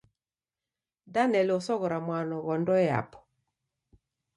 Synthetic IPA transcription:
danɛlɔsɔɣɔɾamwanɔɣɔndɔa̰pɔ̥

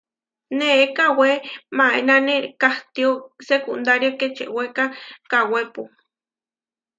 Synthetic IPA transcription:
neːkawemaenanekaht̪iosekund̪aɾjoket͡ʃḛʔwekakawepu

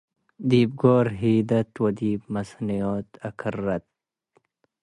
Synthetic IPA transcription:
d̪iːb̚ɡoːɾɦiːd̪ɐt̪wɐd̪iːbmɐsnijoːt̪ɐkʰarːɐt̪̚

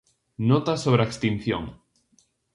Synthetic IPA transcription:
not̪asoβɾeekst̪in̟θjo̰ŋ

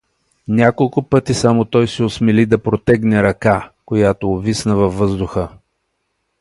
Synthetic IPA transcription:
nʲakolˠkʊpɤt̪isamot̪ɔjsiosmɛlid̪ɐpɾot̪ɛɡnɛɾɐkakojat̪oːvisnəvɐvːɤzd̪ʊxə

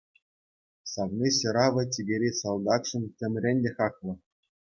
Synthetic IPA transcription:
sɑʋnʲiɕɤ̆ɾɑʋɤ̆tʲiɡʲeɾʲisɑlˠd̪ɑkʂɤ̆ntʲɘ̆mʲrʲenʲdʲexɑklˠɤ̆

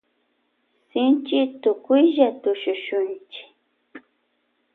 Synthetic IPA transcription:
sɪnt͡ʃɪt̪ʊkʊjʒat̪ʊʃʊʃʊnt͡ʃɪ̥

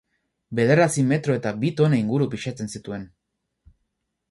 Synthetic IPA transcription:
be̞ð̞e̞ɾasime̞t̪ɾo̞e̞t̪aβit̪o̞naiŋɡuɾupiʃat͡se̞nsit̪ue̞n

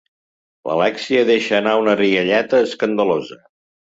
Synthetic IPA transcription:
lə̰lɛksiəðeʃəːnaunəriəʎɛt̪əːskənd̪əlozə

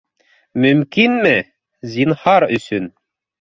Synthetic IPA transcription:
mɵ̆mkinmɘ | zinhɑɾɵ̆sɵn

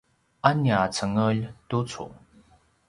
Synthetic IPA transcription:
ʔanjat͡sʰəŋəltut͡sʰṵŋ

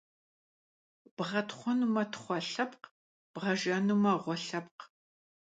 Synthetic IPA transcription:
b̥ʁɐtʰχʷɔnumɐtʰχʷɔɬɐpq | b̥ʁɐʒɐnumɐʁʷɔɬɐp̚q

